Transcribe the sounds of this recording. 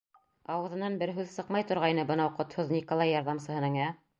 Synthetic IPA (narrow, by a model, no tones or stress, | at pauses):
ɑwɤ̆ðɤ̆nɑnbɘɾɦʉðsɤqmɑjt̪ŏɾʁɑjnɤbɤ̆nɑwqŏt̪hoðnʲikolˠɑjːɑɾðɑmsɤ̆ɦɤ̆nɤŋæ